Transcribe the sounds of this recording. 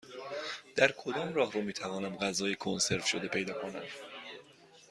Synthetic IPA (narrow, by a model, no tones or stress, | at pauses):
d̪̥æɾkʰo̞d̪ɒːmrɒːhɾumiːt̪ʰævɒːnæmɢæzɒːjekʰonse̞ɾt̪ʃod̪e̞pʰe̞jd̪ɒːkʰo̞næ̰m